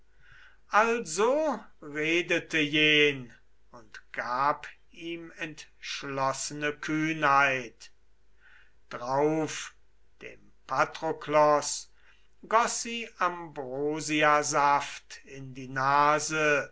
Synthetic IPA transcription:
ʔalzoʁeːdətəjeːn | ʊntɡ̥aːp | iːmɛntʃlɔsənəkʰyːnhaɪt | d̥ʁaʊf | d̥ḛːm | pʰatʁ̥oklɔs | ɡɔsz̥iːʔambʁoːziazaftɪndiːnaːzə

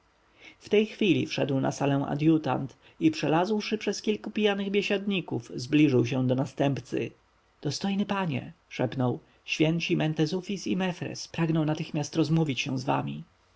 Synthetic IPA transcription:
ft̪ɛjxfʲilʲḭfʂɛd̪wna̰salɛ̃ʔa̰d̪jut̪a̰nt̪ | ipʂɛlazwʂɘpʂɛskʲilkupʲijanɘɣbʲjeɕad̪ɲikuvzblʲiʐɘwɕɛ̃d̪ɔnast̪ɛmpt̪sɘ̰ | d̪̥ɔst̪ɔjnɘpaɲɛ̰ʂɛpnɔw | ɕfʲjɛnt͡ɕimɛnt̪ɛzufʲisimɛfɾɛ̰spɾaɡnɔ̃w̃nat̪ɘxmʲjast̪ɾɔzmuvʲit͡ɕɕɛ̰w̃zva̰mʲi

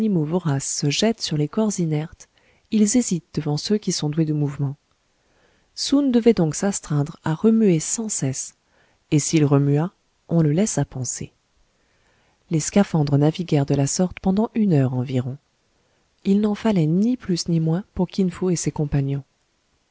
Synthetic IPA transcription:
nimovɔʁasːəʒɛt̪syʁlekɔʁzinɛʁt̪ | ilzezit̪̚d̪̥əvɑ̃søkʲisɔ̃d̪wed̪əmuvmɑ̃ | sund̪əvɛd̪ɔ̃ksɛst̪χɛ̃d̪ʁaʁəmyesɑ̃sɛs | esilʁəmya | ɔ̃ləlɛsapɑ̃sḛ | leskafɑ̃d̪ʁənaviɡʲɛʁd̪əlasɔʁt̪pɑ̃d̪ɑ̃ʔynœʁɑ̃viʁɔ̃ | ilnɑ̃falɛniplysnimwɛ̃puʁkʲinfoesekɔ̃panjɔ̃

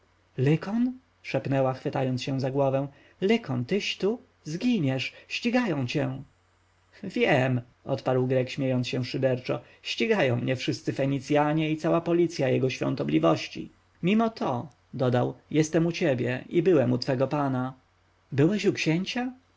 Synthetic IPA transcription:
lɘkɔn | ʂɛpnɛwaxfɘt̪ajɔnt̪sɕɛ̃zaɡwɔvɛw̃ | lɘkʰɔnt̪ɘɕt̪u | zɡʲiɲɛʂɕt͡ɕiɡajɔ̃w̃t͡ɕɛ | vʲjɛm | ʔɔ̰t̪paɾwɡɾɛkɕmʲjejɔnt̪sɕɛʂɘd̪ɛɾt͡ʂɔ | ɕt͡ɕiɡajɔ̃w̃mɲɛfʂɘst̪sɘfɛɲit̪sʲjaɲɛit̪sawapɔlʲit̪sʲjajɛɡɔɕfʲjɔ̰nt̪ɔblʲivɔɕt͡ɕḭ | mʲimɔt̪ʰɔ | d̪ɔd̪awjɛst̪ɛmut͡ɕɛbʲjɛ̰ʔibɘwɛmut̪fɛɡɔpana | bɘwɛɕukɕɛɲt͡ɕa

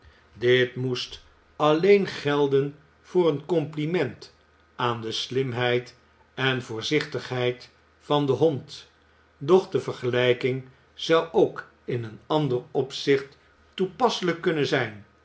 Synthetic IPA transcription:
dɪtmust | ɑlejnχɛlˠdən | v̥ʊːrənkɔmplimɛnt | aːndəslɪmɦɛjt | ɛnvʊːɹzɪχtəχɦɛjt | fɑndəɦɔnt | dɔχdəvəɹχəlɛjkɪŋ | z̥ʌwʔowk | ɪnənɑndərɔpsɪχtː | upɑsələkːɵnənzɛjn

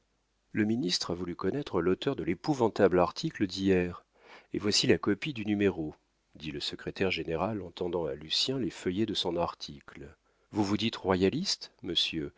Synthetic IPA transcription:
ləminist̪χavulykɔnɛt̪χəlot̪œʁd̪əlepuvɑ̃t̪ablaʁt̪ʰikləd̪ijɛʁ | evwasilakɔpid̪ynymeʁo | d̪iləsəkχet̪ɛʁʒeneʁalɑ̃t̪ɑ̃d̪ɑ̃alysjɛ̃lefəjed̪əsɔ̃naʁt̪ʰikl | vuvud̪it̪ʁwajalist̪məsjø

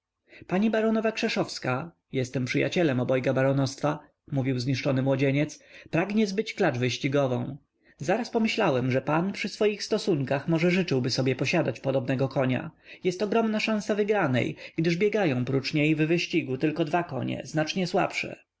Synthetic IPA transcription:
paɲibaɾɔnɔvakʂɛʂɔfska | jɛst̪ɛmpʂɘja̰t͡ɕɛlɛmɔbɔjɡabaɾɔnɔst̪fa | muvʲiwzɲiʂt͡ʂɔnɘmwɔd͡ʑeɲɛt̪spɾaɡɲɛzbɘt͡ɕklad͡ʐvɘɕt͡ɕiɡɔvɔ̃w̃ | zaɾaspɔmɘɕlawɛmʐɛpanpʂɘsfɔjixst̪ɔsuŋkaxmɔʐɛʐɘt͡ʂɘwbɘsɔbʲjɛpɔɕad̪at͡ɕpɔd̪ɔbnɛɡɔkʰɔɲa̰jɛst̪ɔɡɾɔmnaʂãsavɘɡɾanɛ̰jɡ̥d̪ɘʐbʲjɛɡajɔ̃w̃pɾut͡ʂɲejvvɘɕt͡ɕiɡut̪ɘlkɔd̪vakɔ̰ɲɛ̰znat͡ʂɲɛswa̰pʂɛ̰

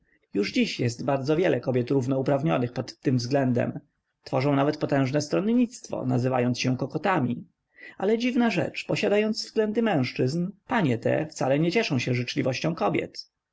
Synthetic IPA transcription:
juʐd͡ʑiɕjɛst̪baɾd̪zɔvʲjɛlʔɛkɔbʲjɛt̪ɾuvnɔupɾavɲɔnɘxpɔt̪ːɘmvzɡlɛnd̪ɛ̰m | t̪fɔʐɔ̃w̃navɛt̪pɔt̪ɛ̃w̃ʐnɛst̪ɾɔnɲit̪st̪fɔ̰nazɘva̰jɔntsɕɛkɔkɔt̪amʲi | ʔalɛd͡ʑivnaʐɛ̰t͡ʂpɔɕad̪ajɔnd̪zvzɡlɛnd̪ɘmɛ̃w̃ʂt͡ʂɘznpaɲɛt̪ɛ̰ft̪salɛɲɛt͡ɕɛʂɔ̃w̃ɕɛ̃ʐɘt͡ʂlʲivɔɕt͡ɕɔ̃w̃kɔbʲjɛ̰t̪

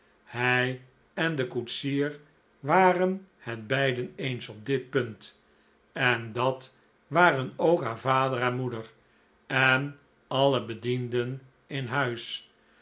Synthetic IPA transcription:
hɛj | ɛndəkutsiːɹ | ʋaːrənhɛd̚bɛjdənejnsɔb̚dɪt̚pɵnt | ɛndɑt | ʋaːrənowkɦaːɹvaːdəɾɛnmudər | ɛn | ɑləbədindən | ɪnɦœɥs

